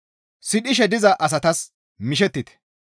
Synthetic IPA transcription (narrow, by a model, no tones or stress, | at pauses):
sɪɗɪʃ̬ɛd̪ɪzɐʔɐs̬ɐt̪ɐs | mɪʃɛt̪ːɪt̪ɛ̥